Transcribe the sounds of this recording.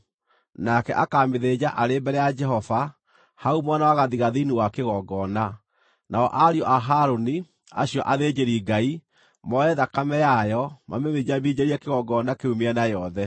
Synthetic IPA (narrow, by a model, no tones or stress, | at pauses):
nakɛʔakaːmeðed͡ʑaʔaɾembɛɾɛjad͡ʒɛɦɔfa | haumwanawaɣaðiɣaðiniwakeɣɔɡɔna | naɔʔaɾiɔʔaɦaɾoni | a̰ɕjɔʔaðed͡ʑeɾiɡai | mɔɛðakamɛjajɔma̰meðed͡ʑaβid͡ʑeɾiɛkeɣɔɡɔnakeumeɛnajɔðɛ